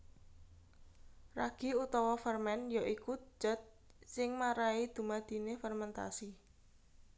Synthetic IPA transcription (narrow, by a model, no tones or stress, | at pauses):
raɡ̥i̤ut̪ɔwɔfərmɛnjɔʔikud͡ʒ̥ə̤t̪̚ | sɪŋmaɾaid̪̥ṳmad̪̥i̤nefɛrmɛnt̪a̰si